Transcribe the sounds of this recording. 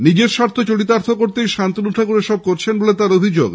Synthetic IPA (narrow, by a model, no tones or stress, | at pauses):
nid͡ʑeɾʃaɾt̪ʰot͡ɕoʈit̪̬aɾt̪ʰokoɾt̪ejʃant̪inuʈʰakuɾeʃɔb̚koɾt͡ɕʰenbolet̪aɾobʱid͡ʑoɡ